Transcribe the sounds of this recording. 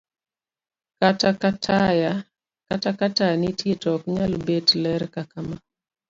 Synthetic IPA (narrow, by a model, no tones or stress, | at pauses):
katakatʰaja | katakatanitjetɔkɲalbetlɛɾkakama